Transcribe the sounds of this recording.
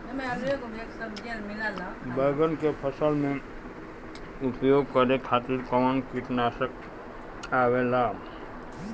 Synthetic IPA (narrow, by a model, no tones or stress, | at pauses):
emealoekomeksəbd͡ʒelmilalabəɡənkepʰəsəlmẽ | upjoːɡ̚kəɾekʰaːt̪iɾkɔmənkiʈnaːsək̚ | aːwelaː